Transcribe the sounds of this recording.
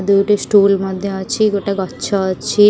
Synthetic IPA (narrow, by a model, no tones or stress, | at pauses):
d̪uwʈisʈulmɔd̪ʱːjɔat͡ʃʰiɡoʈaɡɔtːʃʰɔat͡ʃʰi